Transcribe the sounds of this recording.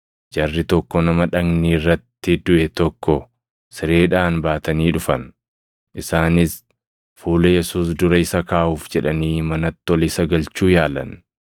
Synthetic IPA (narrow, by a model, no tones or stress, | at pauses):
d͡ʒɐrːɪt̪ɔkːɔnɐmɐᶑɐɡniːrːɐt̪ːɪd̪ʊʔɛt̪ɔkːɔ | sɪɾe̞ːᶑaːnbaːt̪ɐniːᶑʊfɐn | ʔɪsaːnɪs | fuːlɐjɛsuːs̬d̪ʊɾɐɪsɐkaːʔuːfd͡ʒɛᶑɐniːmɐnɐt̪ːɔlɪsɐɡɐlt͡ʃuːjaːlɐ̰n